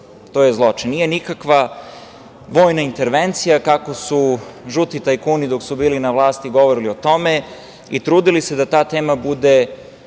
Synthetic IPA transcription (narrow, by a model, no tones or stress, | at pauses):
t̪ojezlˠo̞t͡ʃinnije̞nikakʋa | ʋo̞ːjnaint̪e̞ɾʋe̞nt̪sijakako̞suʒut̪it̪aikuːnid̪o̞ksubiːlinaʋlˠaːst̪iɡo̞ʋo̞ɾilio̞t̪o̞me | it̪ɾuːd̪ilise̞d̪at̪aːt̪e̞ːmabud̪e̞